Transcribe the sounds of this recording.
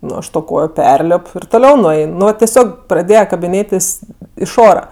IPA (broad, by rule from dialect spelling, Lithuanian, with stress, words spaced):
ˈnʊ ˈɐʃ toː ˈkoːjoː ˈpʲɛrʲlʲɪp ɪr toːˈlʲɛʊ nʊˈɛɪn nʊ ʋɐ tʲɛˈsʲoːk prɐˈdʲeːjɛ kɐbʲɪˈnʲeːtʲɪs ɪʃ ˈoːrɐ